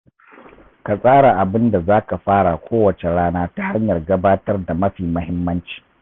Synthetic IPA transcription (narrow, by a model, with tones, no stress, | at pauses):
ka˨sʼaː˦ɽa˨ʔa˨bɪ˦nda˨zaː˦ka˨ɸaː˦ɽa˨kʷoː˦wɐ˨t͡ʃe˨ɽaː˦naː˦ta˦ha˦ɲjɐ˨rɡɐ˦baː˦tɐ˦rda˨mɐ˦ɸiː˨mɐ˦hɪ˦mːɐ˦nt͡ʃi̥ː˨